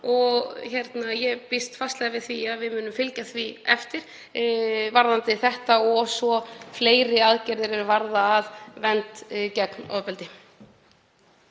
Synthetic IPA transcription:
ɔɣçɛɾt̪najɛpɪst̪fast̪lɛɣavɪðθviaðvɪðmʏːnʏmfɪlcaθviɛ̰ft̪ɪɾ̥ | vaɾðant̪ɪθɛht̪aɔsvɔfleːjɾɪaðcɛɾðɪɾɪɾvaɾðaːðvɛnt̪cɛknɔ̰pɛlt̪ɪ

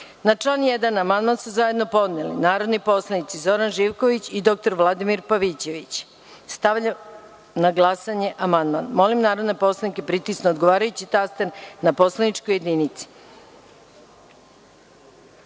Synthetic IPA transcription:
nat͡ʂlaːnjed̪anamand̪mansuzaje̞d̪no̞po̞d̪nelḭnaːɾo̞d̪nipo̞slˠanit̪sizo̞ɾanʒiʋko̞ʋit͡ɕid̪o̞k̚t̪o̞ɾʋlˠad̪imiɾpaʋit͡ɕe̞ʋit͡ɕ | st̪aʋʎa | naɡlˠasaɲeʔamand̪manmo̞limnaːɾo̞d̪nepo̞slˠanike̞pɾit̪isnood̪ɡo̞ʋaːɾajut͡ɕit̪ast̪ennapo̞slˠanit͡ʃkoje̞d̪ninit̪si̥

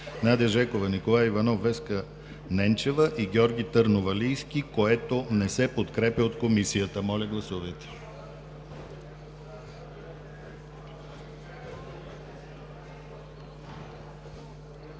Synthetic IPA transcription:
nad̪ɛəʒɛkovɐnikolˠajivɐnɔvːɛskə | nɛnt͡ʃɛvəʔiɡʲɔɾɡʲit̪əɾnovɐlijsk̟ʲikoɛt̪onɛsɛpot̪kɾɛpʲjəot̪komisijət̪əmɔlʲəɡlˠɐsuvɛt̪ɛ̥

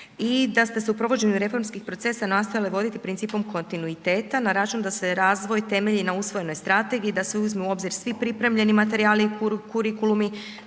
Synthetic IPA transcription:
id̪ast̪e̞seupɾo̞ʋo̞d͡ʑe̞ɲuɾe̞fo̞ɾmskixpɾo̞t̪se̞sanast̪ojaliʋo̞d̪it̪ipɾinsiːpo̞mkʰo̞nt̪inuit̪e̞ːt̪anaɾat͡ʃund̪ase̞ɾaːzʋo̞jt̪e̞me̞ʎinausʋo̞jenojst̪ɾat̪e̞ɡiːd̪aseuzmeuo̞bziɾsʋipɾipɾe̞mʎe̞nimat̪e̞ɾiaːlikuɾkuɾikulumi

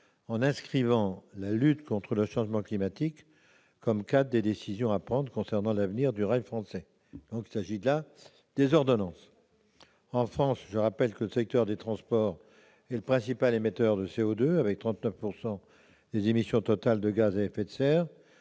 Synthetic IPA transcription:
ɑ̃nɛ̃skχivɑ̃lalyt̪kɔ̃t̪χələʃɑ̃ʒmɑ̃klimat̪ikː | ɔmkad̪d̪ːed̪esizjɔ̃apχɑ̃d̪ʁkɔ̃sɛʁnɑ̃lavniʁd̪yʁajfχɑ̃sɛ | d̪̥ɔ̃kilsaʒila | d̪̥ezɔʁd̪ɔnɑ̃s | ɑ̃fχɑ̃sʒəʁapɛlkələsɛk̚t̪œʁd̪et̪χɑ̃spɔʁ | ɛləpχɛ̃sipalemet̪œʁd̪əseod̪øavɛk̚t̪χɑ̃t̪nœfpuʁsɑ̃ | d̪̥ezemisjɔ̃t̪ɔt̪ald̪əɡazeɛfɛt̪sɛːʁ

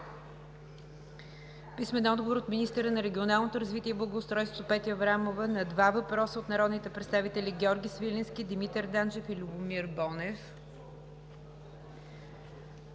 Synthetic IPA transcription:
pismɛnɔd̪ɡovoɾot̪minist̪əɾənɐɾɛɡʲionalˠnot̪oɾəzvit̪iɛiblˠəɡoːst̪ɾɔjst̪vo̥t̪opɛt̪iəvɾamovənɐd̪vavɐpɾɔsəot̪nɐɾɔd̪nit̪ɛpɾɛt̪st̪avit̪ɛlʲiɡʲɔɾɡʲisvilʲinskʲid̪imit̪ɛɾd̪and͡ʒɛfilʲubʊmiɾbɔnɛf

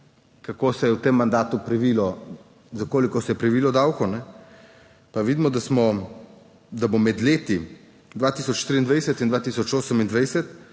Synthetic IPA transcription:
kakoːsɛjɛwt̪emːand̪aːt̪upɾɛʋiːlɔ | zakoːlikɔsɛjɛpɾɛʋiːlɔd̪awkɔnɛ | paʋid̪imɔd̪asmɔ | d̪abomɛd̪leːt̪i | d̪ʋaːt̪iːsɔt͡ʃʃt̪ɾiːnd̪ʋajsɛt̪ind̪ʋaːt̪isɔt͡ʃoːsəmind̪ʋɛjsɛt̪

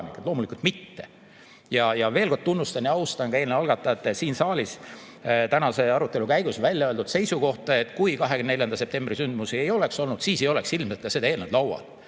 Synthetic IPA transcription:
nikːˑed̪loːmulikult̪mit̪ːe̞ | jɑjɑve̞ːlko̞rd̪̚t̪unːust̪ɑnjɑɑust̪ɑnɡ̥ɑe̞ːlneɑlɡ̥ɑt̪ˑːɑet̪ːˑsiːnsɑːlis | t̪ænɑse̞ɑɾut̪ːˑe̞lukæjɡ̥usvælʲjɑøld̪ud̪̥se̞jsuko̞ht̪ɑe̞t̪ːˑkujkɑɦeɡynne̞ljɑnd̪ɑse̞p̚t̪e̞mbrisynd̪musie̞jo̞le̞kso̞lnud̪̥siːse̞jo̞le̞ksilmselt̪̚kɑsed̪ɑeːlned̪lɑwwɑ̰d̪̥

